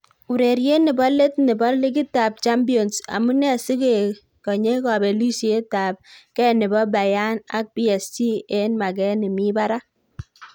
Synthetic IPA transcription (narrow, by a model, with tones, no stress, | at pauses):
u˨ɾe˨ɾje˦ni˨bɔ˦le˦t̚ni˨bɔ˦li˦k̬i˦ta˨p̚t͡ʃa˦mbi˦o˨nsa̰˨mu˦nɛ˦˨si˦ke˨ | kɔ˨ɲe˦kɔ˨be˨li˦si˨e˦ta˨p̚kɛ˦˨ni˨bɔ˦ba˨ja˦na̰˦k̚bi˦ɛ˨sti˦e˦nma˨kɛ˦ni˨mi˦ba˦ɾa˦